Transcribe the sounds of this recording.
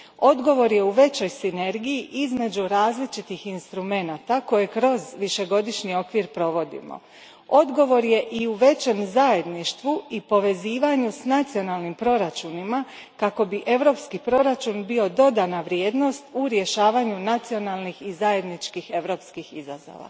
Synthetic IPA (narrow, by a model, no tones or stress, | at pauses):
o̞d̪ɡo̞ʋo̞ɾje̞uʋe̞t͡ɕo̞jsine̞ɾɡijiʔizme̞d͡ʑuɾaːzlit͡ʃit̪ixinst̪ɾume̞nat̪ako̞je̞kɾo̞zʋiʃe̞ɡo̞d̪iʃnio̞kʋiɾpɾo̞ʋo̞d̪ḭmo̰ | o̞d̪ɡo̞ʋo̞ɾje̞ʔiuʋe̞t͡ɕe̞mzaje̞d̪niʃt̪ʋuipo̞ʋe̞ziːʋaɲusnat̪sio̞naːlnimpɾo̞ɾat͡ʃunima | kako̞biʔe̞ʋɾo̞ːpskipɾo̞ɾat͡ʃunbio̞d̪o̞d̪anaʋɾje̞ːd̪no̞st̪uɾje̞ʃaːʋaɲunat̪sio̞nalˠnixizaje̞d̪nit͡ʃkixe̞ʋɾo̞ːpskixiza̰zo̰ʋa̰